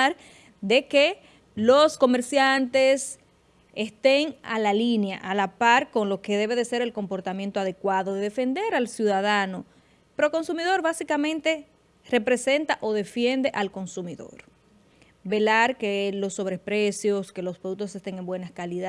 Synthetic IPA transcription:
ɾ | d̪e̞ke | lo̞sko̞me̞ɾsjant̪e̞s | est̪eŋalalinjaʔalapaɾko̞ŋlo̞ke̞ðe̞β̞e̞ðese̞ɾe̞lko̞mpo̞ɾt̪amje̞nt̪oaðe̞kwaðoðeðe̞fe̞nd̪e̞ɾalsjuðaðano̞ | peɾo̞ko̞nsumiðo̞ɾβasikamẽ̞nt̪e̞ | re̞pɾe̞se̞nt̪aʔo̞ðe̞fje̞nd̪e̞ʔalko̞nsumiðo̰ɾ | be̞laɾkelo̞sːo̞βɾepɾe̞sjo̞ske̞lo̞spɾoðuk̚t̪ose̞st̪eŋe̞mbwe̞nakaliða

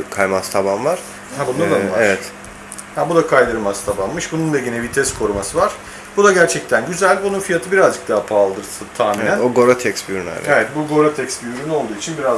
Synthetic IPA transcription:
kʰajmast̪ʰabanvaɾ̥ | habund̪ad̪avaeɾvɛt̪ | hɛbud̪akʰajd̪ɯɾmast̪ʰabanmɯʃbunund̪aɟinɛbit̪ʰɛskʰo̞ɾumasɯvaɾ̥ | bud̪aɟæɾt͡ʃʰɛc̚t̪ʰænɟyzælʲbununfijat̪ʰɯbiɾazd͡ʒɯk̚d̪aapʰaːlˠd̪ɯɾsʰɯt̪ʰaːminænoɡo̞ɾot̪ʰɛksbiɾyna̰evɛt̪̚buɡo̞ɾot̪ʰɛcsbyyɾyno̞lˠd̪uːit͡ʃʰinbiɾaz

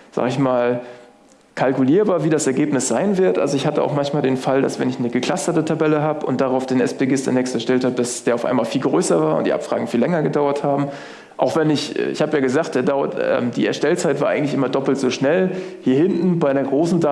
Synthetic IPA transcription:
z̥a̰ːɡəɪçmaːl | kʰalkuliːɐbaːɐviːdasɛɐɡeːpnɪsz̥aɪnvɪɐtʔa̰lzoɪçhatəʔa̰ʊxmançmaːldeːnfalda̰sv̥ɛnɪçnəɡəkʰl̥astɐtətʰabɛləɦaːbəʔʊ̰nt̚d̥aʁaʊfd̥eːnɛspeːɡɪsdɛ̰nɛkstɛɐʃtɛlthaːbəd̥asd̥eːɐaʊfa̰ɪmaːlfiːlɡʁøːsɐvaːɐʊ̰ntd̥ḭʔa̰pfʁ̥a̰ːɡŋ̩fiːlːɛŋɐɡədaʊɐthaːbm̩ | ʔaʊxv̥ɛnɪçʔɛ̰ɪ̰çhaːbəjaːɡəzaːχt̚d̥eːɐdaʊɐ̰tɛ̰ːmdḭːɛɐʃtɛlt͡saɪtv̥aːʔaɪɡŋ̩tlɪçʔɪmɐdɔpl̩tz̥oːʃnɛlhiːɐhɪntn̩baɪnɐɡʁoːsn̩da

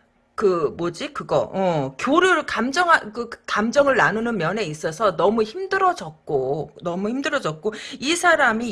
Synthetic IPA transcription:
kɯmod͡ʑikɯɡʌʔʌkjoɾɯɾkamd͡ʑʌŋɦakɯkamd͡ʑʌŋɯɭnanunɯnmjʌne̞is͈ʌsʰʌnʌmuçimdɯɾʌd͡ʑʌk̚k͈onʌmuçimdɯɾʌd͡ʑʌt̚k͈oisʰaɾami

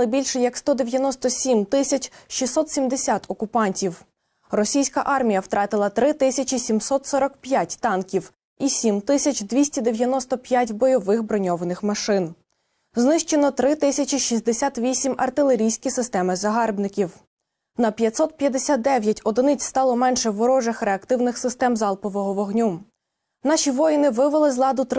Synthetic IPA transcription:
lˠɪbʲilʲʃɛjɐkst̪ɔd̪eʋʲjɐnɔst̪ɔsʲimt̪ɪsʲɐt͡ʃʲʃisɔt̪sʲimd̪esʲat̪ɔkʊpɑnʲtʲiw | rɔsʲijsʲkɐ̰ʔɑrmʲijɐwt̪ɾʔɑt̪ɪlˠɐt̪ɾɪt̪ɪsʲɐt͡ʃisʲimsɔt̪sɔɾɐkpjatʲt̪ɑnkʲiw | isʲimt̪ɪsʲɐt͡ʃʲd̪ʋʲisʲtʲid̪eʋʲjɐnɔst̪ɔpʲjatʲbɔjɔʋɪxbɾɔnʲɔʋɐnɪxmɐʃɪn | znɪʃt͡ʃenɔt̪ɾɪt̪ɪsʲɐt͡ʃʲiʃizʲd̪esʲat̪ʋʲisʲimɐ̰rt̪ɪlˠeɾʲijsʲkʲisɪst̪ɛmɪzɐɦɑrbnɪkʲiw | nɐpʲjɐt̪ʲsɔt̪̚pʲjɐd̪esʲat̪̚d̪ɛʋʲjɐtʲɔd̪ɪnɪt͡sʲst̪ɑlˠɔmɛnʃɛʋɔɾɔʒɪxɾeɐkt̪ɪwnɪxsɪst̪ɛmzɑlˠpɔʋɔɦɔʋɔɦnʲu | nɑʃiʋɔjnɪʋɪʋɐlˠɪzlˠɑd̪ʊt̪

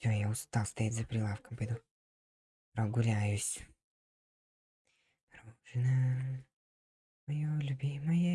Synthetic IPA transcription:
ojaʊst̪alˠst̪ɐjatʲzɐpɾʲɪlˠafkəmpəjɪd̪u | pɾoɡʊlʲæjʊsʲ | pɾoʒ̥ɨna | mɐjolʲʊbʲimɐja

